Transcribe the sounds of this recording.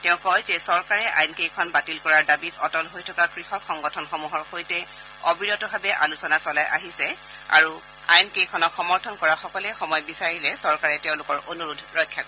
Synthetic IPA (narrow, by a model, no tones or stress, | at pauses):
tɛʊ̃kɔjzɛsɔɹkaɹɛʔa̰jnkejkʰɔnbatilkɔɹaɹdabitɔtɔlɦojtʰɔkakɹixɔkxɔŋɡɔtʰɔnxɔmuɦɔɹxojtɛ | obiɹɔtɔbʱabɛʔalusɔnasɔlajʔa̰ɦisɛ | a̰ɹu | a̰jnkejkʰɔnɔkxɔmɔɹtʰɔnkɔɹaxɔkɔlɛxɔmɔjbisaɹilɛsɔɹkaɹɛtɛʊ̃lʊkɔɹʔonuɹudʱɹɔjkʰːjakɔ